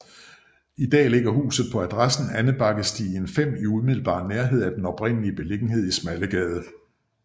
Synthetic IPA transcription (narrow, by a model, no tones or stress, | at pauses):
id̥ɛ̰ːle̝ɡ̥ɐɦṵːsð̞̩ˠpʰɒ̽æd̥ʁasn̩ænəb̥ɑ̈ɡ̥əsd̥ḭːənfem̰iuðˠmiðˠl̩b̥ɑ̰̈ːneɐɦe̝ð̞̰ˠæd̥enɒ̽b̥ʁen̰əliəb̥e̝le̝ɡ̥n̩he̝ð̞̰ˠismæləɡ̥ɛːð̞ˠə